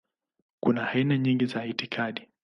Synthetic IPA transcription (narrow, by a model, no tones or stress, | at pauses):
kunahainaɲiŋɡizaitikʰaɗi